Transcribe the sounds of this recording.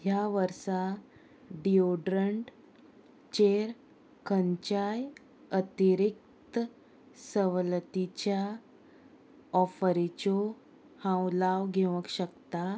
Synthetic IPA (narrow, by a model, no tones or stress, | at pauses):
jaʋəɾsa | ɖioɖɾəɳʈ | t͡ɕeɾ | kəɲt͡ɕaj | ət̪iɾik̚ | t̪ə | səʋlət̪it͡ɕja | ɔfəɾit͡ɕo | hãwlaʋɡʱeʋəkɕəkt̪a